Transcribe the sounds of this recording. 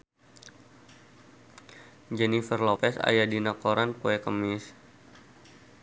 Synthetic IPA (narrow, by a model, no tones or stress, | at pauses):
d͡ʒɛnifərlopɛsa̰jadinakoɾankuɛkəmɪs